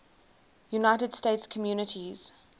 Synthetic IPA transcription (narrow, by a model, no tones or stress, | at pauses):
junaɪtəd̥stetskʰəmjuːnətʰiz̥